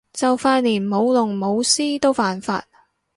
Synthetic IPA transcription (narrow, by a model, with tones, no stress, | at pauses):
t͡sɐ˨wfaː˧t̚liː˨˩nmo˨˧wlʊ˨˩ŋmo˨˧wsiː˥t̪o˥wfaː˨nfa̰ː˧t̚